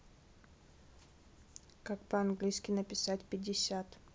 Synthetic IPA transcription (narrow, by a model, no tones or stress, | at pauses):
kakpəɐnɡlʲijskʲɪnəpʲɪsatʲpʲɪdʲɪsʲat̪